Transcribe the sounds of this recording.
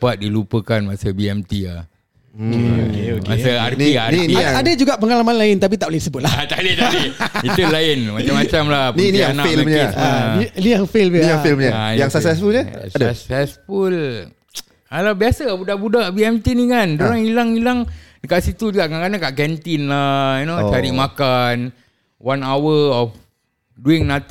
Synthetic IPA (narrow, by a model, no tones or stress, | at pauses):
pat̪̚dilupəkanmasəbiɛmt̪ia̰h | eoka̰saa̰rtniariiadad͡ʒuɡaʔpəŋalamanlaɪnt̪ap̬it̪aʔplaiisəbʊt̪̚laat̪adit̪aɾiit̪ulaɪnmat͡ʃamat͡ʃamlahninianafelɲaaniaŋfiliaŋfilmɲaaijaŋsaksɛsfulɲə̰adasɛsful | alabiasabudaʔbudaʔbiɛmt̪inikandoɾaŋilaŋilaŋdəkaʔsit̪ud͡ʒuɡaʔkankanakaʔkɛnt̪inlajinot͡ʃaɾiʔmakan | wanawəɔf | duɪŋnat̪